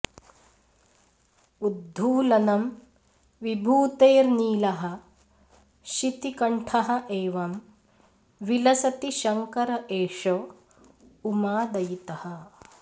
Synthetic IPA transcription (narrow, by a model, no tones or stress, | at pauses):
ud̪ʱːuːlɐnɐm | ʋibʱuːt̪eːɾniːlɐɦɐ̆ | ʃit̪ikɐɳʈʰɐɦɐ̆ʔeːʋɐm | ʋilɐsɐt̪iʃɐŋkɐɾɐʔeːʂɐ | umaːd̪ɐjit̪ɐhɐ